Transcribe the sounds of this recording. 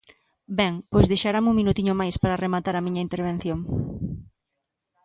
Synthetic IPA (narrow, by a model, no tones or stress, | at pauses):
bɛŋpojzðejʃaɾamuŋminut̪iɲʊmajspaɾaremat̪aɾɐmiɲɐint̪eɾβ̞en̟θjoŋ